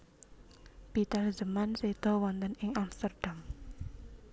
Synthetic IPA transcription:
pit̪ərd͡ʒəmansed̪̥ɔwɔnt̪ənɪŋamst̪ərd̥am

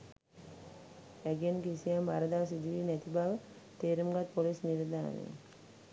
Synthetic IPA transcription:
æɡenkisijamʋaɾəd̪aːsid̪iʋiːnæt̪ibaʋə | t̪eːɾumɡat̪polisniɾəd̪a̰ːnḛ

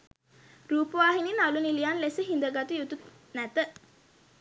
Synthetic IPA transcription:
ɾuːpəʋaːɦininalunilijanlesəɦind̪əɡat̪ujut̪ut̪ | næt̪ə

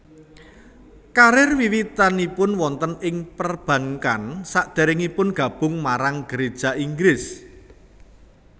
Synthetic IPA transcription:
kaɾɪrwiwit̪anipʊnwɔnt̪ənɪŋpərb̥ä̤ŋkansaʔd̪̥ɛ̤ɾɪŋipʊnɡ̥ä̤b̥ʊ̤ŋmaɾaŋɡ̥əɾed̥ʒ̥a̤iŋɡɾɪs

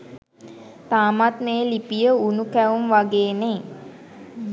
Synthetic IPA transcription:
t̪aːmat̪meːlipijəunukæʋumʋaɡeːne

